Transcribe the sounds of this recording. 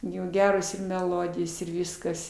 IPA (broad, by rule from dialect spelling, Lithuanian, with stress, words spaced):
ˈjuː ˈɡʲæːroːs ɪr mʲɛˈlˠoːdʲɪjoːs ɪr ˈʋʲiːskɐs